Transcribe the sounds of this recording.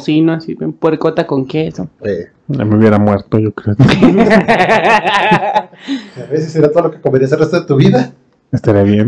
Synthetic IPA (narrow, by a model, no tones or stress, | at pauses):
sinoasiβempweɾkot̪akoŋkesoe | a̰meiuβje̞ɾamweɾt̪ojokɾeo | aβesesːeɾiat̪oðolokekomeɾias̬elrest̪oðet̪uβiða | est̪aɾiaβjen